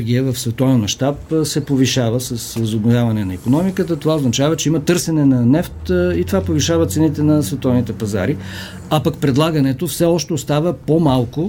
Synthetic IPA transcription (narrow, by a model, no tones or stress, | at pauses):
ɡʲiəvɐfsvɛt̪ɔvɛnmɐʃt̪apsɛpoviʃavəsɐsvɐzobnovʲjavɐnɛnɐikonɔmikət̪ət̪ovaoznɐt͡ʃavɐt͡ʃɛimət̪ɤɾsɛnɛnɐnɛft̪it̪ovapoviʃavət̪sɛnit̪ɛnɐsvɛt̪ɔvnit̪ɛpɐza̰ɾi | ɐpakpɾɛd̪lˠaɡənɛt̪ofsɛɔʃt̪ɛost̪avəpomalˠko